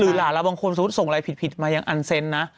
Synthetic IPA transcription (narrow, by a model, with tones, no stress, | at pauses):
lɯː˩˦laː˨˩˦la˧˩baː˧ŋkʰo˧nsa˧˩˦t̪̚so˨˩ŋlaː˧jpʰi˨t̪̚pʰi˨˩t̪̚maː˧jaː˧ŋʔa˧nse˧˥nːa˦˥ʔ